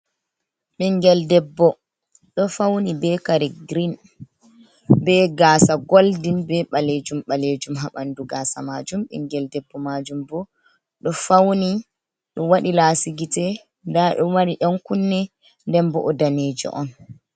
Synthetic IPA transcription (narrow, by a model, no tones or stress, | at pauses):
ɓɛŋɡɛldɛbːɔ | ɗɔfawnibɛkaɾɛɡɾin | bɛɡaːsaɡoldinbɛɓaled͡ʒumɓaled͡ʒumɦaɓanduɡaːsa̰mad͡ʒumɓɛ̰ŋɡɛldɛbːɔmad͡ʒumbɔ | ɗɔfawni | ɗɔwaɗilasiɡitɛ | ndaɗɔwaniɗɔnkunːɛ | ndɛmbɔ̰ʔɔdaneːd͡ʒḭʔɔ̰n